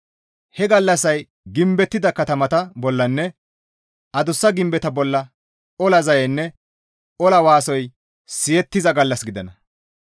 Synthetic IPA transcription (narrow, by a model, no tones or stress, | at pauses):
hɛɡɐlːɐsɐj | ɡɪmbɛt̪ːɪd̪ɐkɐt̪ɐmɐt̪ɐbɔlːɐnːɛ | ɐd̪ʊsːɐɡɪmbɛt̪ɐbɔlːɐ | ɔlɐzɐjɛnːɛ | ɔlɐwaːsɔj | sɪjɛt̪ːɪzɐɡɐlːɐsɡɪd̪ɐnɐ